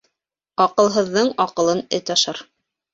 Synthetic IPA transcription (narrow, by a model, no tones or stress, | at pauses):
ɑqɤ̆lˠɦɤ̆ðːɤɴɑqɤ̆lˠɤnɘt̪ɑʃɑɾ